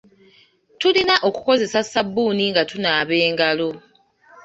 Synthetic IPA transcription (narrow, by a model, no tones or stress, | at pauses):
tulinaʔo̞ku̥ko̞ze̞sasabːuːniŋɡatunaːβe̞ːŋɡalo̞